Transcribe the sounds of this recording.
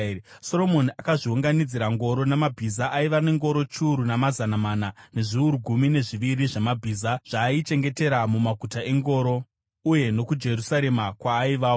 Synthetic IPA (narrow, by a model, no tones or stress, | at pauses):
so̞ro̞mo̞niakaʐiuŋɡanid͡ziɾaŋɡo̞ɾo̞nemabʱizaʔaiʋane̞ŋɡo̞ɾo̞t͡ʃuːɾunamazanamaːnane̞ʐiuɾuɡʱumine̞ʐiʋiɾiʐamabʱiːzaʐ̥aːit͡ʃe̞ŋɡe̞te̞ɾamumaɡʱutae̞ŋɡo̞ɾo̞ | uje̞no̞kud͡ʒe̞rusaɾe̞makwaːiʋaːo